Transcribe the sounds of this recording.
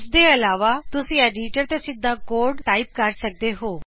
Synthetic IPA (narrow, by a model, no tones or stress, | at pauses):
sd̪eːəlaːʋaːt̪ʊsĩːɛːɖiːʈəɾt̪esɪd̪aːkoːɾɖʈaːɪp̚kəɾsək̚d̪eɦoː